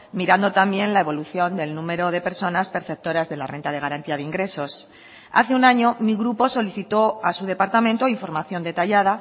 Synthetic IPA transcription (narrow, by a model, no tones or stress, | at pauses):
miɾand̪o̞t̪ambje̞nlae̞β̞o̞luθjo̞nd̪e̞lnũme̞ɾo̞ð̞e̞pe̞ɾso̞naspe̞ɾθe̞p̚t̪o̞ɾazðe̞lare̞nt̪að̞e̞ɣ̞aɾant̪iað̞eiŋɡɾe̞so̞s | a̰θeunaɲo̞miɣɾupo̞so̞liθit̪o̞asuð̞e̞paɾt̪amẽnt̪oiɱfo̞ɾmaθjo̞nd̪e̞t̪aʎað̞a